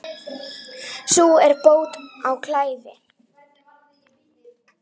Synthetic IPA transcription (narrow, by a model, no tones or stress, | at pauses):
suɛɾpoːwt̪awkʰlaːjvɪ